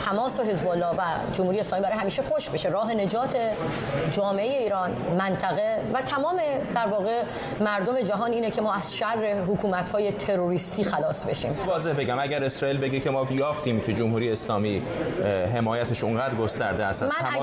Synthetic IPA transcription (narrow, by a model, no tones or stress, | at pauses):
h̪ʰæmɒːsoɦe̞zbolːɒːvæd͡ʒomhuɾieslɒːmibæɾejɦæmiːʃexoʃbeʃe̞ɾɒːɦe̞ne̞d͡ʒɒːt̪ʰe̞ | d͡ʒɒːme̞ʔeje̞iːɾɒːnmænt̪ʰæɣe̞væt̪ʰæmɒːme̞d̪̥æɾvɒːɣe̞ | mæɾd̪ome̞d͡ʒæɦɒːniːnecʰe̞mɒːæz̥ʃærːe̞ɦokʰuːmæt̪hɒːje̞t̪ʰe̞ɾoɾiːst̪iːxælɒːsbe̞̰ʃḭːmɒːze̞hbe̞ɡɟæmæɟæɾe̞sɾɒːiːlbe̞ɟecʰe̞mɒːjɒːft̪iːmcʰe̞d͡ʒomhuːɾijeːslɒːmiː | ɦe̞mɒːjæt̪ʰeʃuŋɢæːd̪ɾɡost̪æɾd̪eæsæmæ